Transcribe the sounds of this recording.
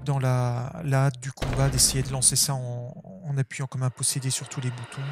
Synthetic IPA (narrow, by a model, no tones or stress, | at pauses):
d̪ɑ̃lalaːt̪̚d̪ykɔ̃bad̪esejed̪əlɑ̃sesaɑ̃ːnapɥijɑ̃kɔmɛ̃pɔsed̪esyʁt̪ʰulebut̪ʰɔ̃